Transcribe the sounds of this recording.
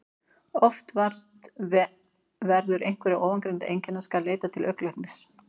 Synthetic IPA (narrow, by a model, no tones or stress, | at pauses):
ɔft̪vaɾt̪ | vɛɾðʏɾejŋ̥kvɛɾɪʔoːwvaŋkɾejnt̪aʔejɲcɛnːaskaleːjt̪at̪ʰɪlʔœklɛhknɪs